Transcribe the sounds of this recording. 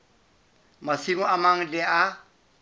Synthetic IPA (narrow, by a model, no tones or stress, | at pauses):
masimoamaŋdɛʔa